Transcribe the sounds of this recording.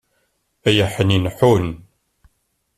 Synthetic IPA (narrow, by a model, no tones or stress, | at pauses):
æjəħəninħun